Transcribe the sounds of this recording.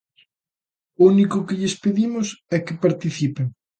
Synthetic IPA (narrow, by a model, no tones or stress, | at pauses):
unikʊkɪʎɪspeðimʊsɛkɪpaɾt̪iθipeŋ